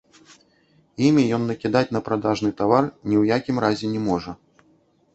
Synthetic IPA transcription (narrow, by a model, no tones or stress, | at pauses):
imʲijɔnːɐkʲid̪at͡sʲnɐpɾad̪aʐnɨt̪avarnʲiwjakʲimɾazʲɛnʲɛmɔʐɐ